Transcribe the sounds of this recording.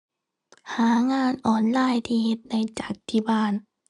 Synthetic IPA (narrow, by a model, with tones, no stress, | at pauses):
haː˩˦ŋaː˧nʔɔː˧˩nlaː˧˨jt̪ʰiː˧˩he˧˦t̪̚na˧˩jt͡ɕa˨˩k̚t̪ʰiː˧˩baː˧˩n